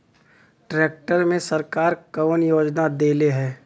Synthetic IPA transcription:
ʈɾeːk̚ʈəɾmẽsəɾkaːɾkəʋənjoːd͡ʒnad̪eːleɦɛː

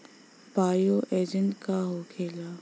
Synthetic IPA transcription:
paːjoʔeːd͡ʒənʈkaɦokʰeːlaː

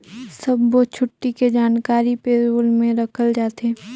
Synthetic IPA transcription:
sɐbːot͡ʃʰʊʈːiked͡ʒaːnkaːɾipeːɾolmẽɾɐkʰəld͡ʒaːt̪eː

